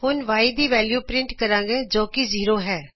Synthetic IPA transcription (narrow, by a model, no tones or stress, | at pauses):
hʊnʋaːiːd̪iːʋɛːljuːpɾɪɳʈkəɾãːɡeːd͡ʒoːkiziːɾoːɦɛː